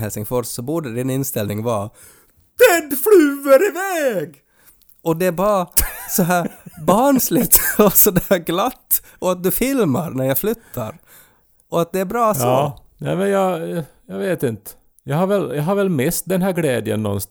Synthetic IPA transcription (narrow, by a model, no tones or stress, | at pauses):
ɦɛlsɪŋfɔssɔbʊɖəd̪ɪnɪnst̪ɛlnɪŋʋɑː | d̪̥ɛnflʉːəɾɪʋɛːɡ | ʔɔd̪ɛbɑːɾɑsɔɦæːɾbɑɳslɪt̪ɔsɔd̪æːɾɡlɑt̪ː | ɔɑt̪̚d̪ʉfɪlmə̰ɾnæɾjæɪflʏt̪ʰːə̰ɾ | ʔɔɑt̪̚d̪ɛæɾbɾɑːsɔːnæ̰mɛnjɑjɑʋeːt̪ɪnt̪ə̥ | jɑhɑɾʋɛljɑɦɑɾʋɛlmɪst̪̚d̪ɛnɦæɾɡlɛːd̪jə̰nːɔ̰ns